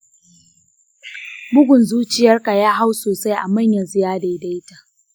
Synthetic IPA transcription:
mʊ˦ɡʷʊ˨nzuː˦t͡ʃɪ˨jɐ˦rka˨jaː˦ɦa˦wsoː˨sa˦jʔa˨ma˦˨ɲjɐ˨zɪ˦jaː˦da˨˦˨da˦jta˨

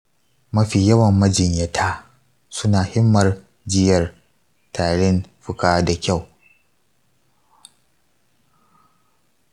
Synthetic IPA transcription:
mɐ˦ɸiː˨jɐ˦wɐ˨mːɐ˦d͡ʒɪ˨ɲjɐ˦tʰaː˦ | sʊ˦naː˨hɪ˦mːɐ˨r | d͡ʒɪ˦jɐ˨r | tʰaː˨ɽɪ˦nɸʊ˦kaː˦da˨kʲa˦˨w

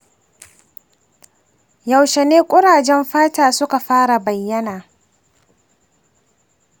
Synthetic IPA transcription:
ja˨wʃe˨neː˦kʷʼʊ˦ɽaː˨d͡ʒɛ˦mɸaː˦taː˨sʊ˦ka˨ɸaː˦ɽa˨bɐ˨jːɐ˦naː˨

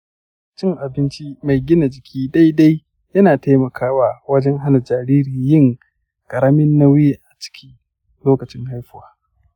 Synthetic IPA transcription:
t͡ʃɪ˦ŋʔa˨bɪ˦nt͡ʃi˦ma˨jɡʲɪ˦na˨d͡ʒɪ˨kʲʰiː˦da˦jda˦j | jɐ˦naː˨ta˦mɐ˨kʰaː˦waː˦wɐ˦d͡ʒɛ˦ŋɦa˦na˨d͡ʒaː˨ɾiː˦ɾiː˨jɪ˦ŋ | kʼɐ˨ɾɐ˦mɪ˦nːa˦wɪ˦je˨ʔa˨t͡ʃɪ̥˦kʲʰiː˦ | loː˦kɐ˨t͡ʃɪ˦ŋha˦jɸɪ˦waː˦

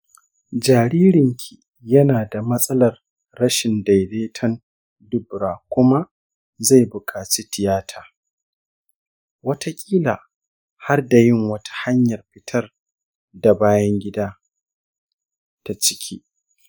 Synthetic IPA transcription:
d͡ʒaː˨ɾiː˦ɾɪ˨ŋkʲʰi˨ | jɐ˦naː˨da˨mɐ˦sʼɐ˦lɐ˨rː | ɐ˦ʃɪ˨nda˨jleː˦tʰɐ˦n | dʊ˦bɾaː˨kʷʊ˦ma˦ | za˦˨jbʊ˨kʼaː˨t͡ʃi˦tɪ˨jaː˦tʰaː˨ | wɐ˦tʰa˦kʲʼiː˦laː˨ | ha˦rda˨jɪ˦ŋwɐ˦tʰḁ˦ha˦ɲjɐ˨rɸɪ˦tʰɐ˦r | da˨baː˦jɐ˦ŋɡʲɪ˦daː˦ | ta˨t͡ʃɪ̥˦kʲʰḭː˦

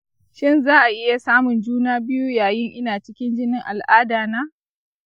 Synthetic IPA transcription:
ʃɪ˦nzaː˦ʔa˨ʔɪ˦ja˨saː˦mʊ˨nd͡ʒuː˦naː˦bɪ˦ju˦jaː˨jɪ˦ŋʔɪ˦naː˨t͡ʃɪ˦kʲɪ˦nd͡ʒɪ˦nɪ˦ŋʔa˨lʔaː˦daː˨naː˦

